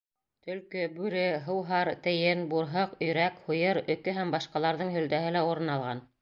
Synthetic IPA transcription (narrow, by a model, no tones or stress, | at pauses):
t̪ɵ̆lkɵbʉɾɘɦɤ̆wɦɑɾt̪ɘ̆jɘnbuɾɦɤqɵ̆jɾækhujɤɾɵ̆kɵɦæmbɑʃqɑlˠɑɾðɤɴɦɵ̆ld̪æɦɘlæuɾɤ̆nɑlˠʁɑn